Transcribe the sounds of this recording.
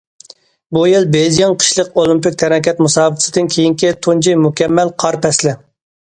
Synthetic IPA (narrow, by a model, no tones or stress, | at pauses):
bujilˠbed̪ijɑnqʰə̥ʃlˠəqolˠɪmpɪk̚ʲt̪ʰɛɾɛkʲɛt̪musɑːbɨq̪ʰsɨd̪ɪnkʲʰejiŋkʲit̪ʰund͡ʒijmukʲʰɛmːɛlqʰɑɾpʰɛslɪ